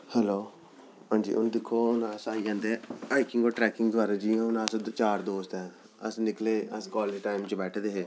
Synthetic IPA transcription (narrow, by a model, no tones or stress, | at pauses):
hɛːloː | ãːd͡ʒḭːʔʊnd̪ɪkʰːoːʊnaːsaːid͡ʒãːnd̪eaːɪkɪŋɡoːʈɾɛːkɪŋɡd̪ʊaːɾad͡ʒiːõːnaːst͡ʃaːɾd̪oːst̪ɛː | ə̰snɪkleːəskɔːliʈaːɪmt͡ʃbɛːʈʰd̪eːɦeː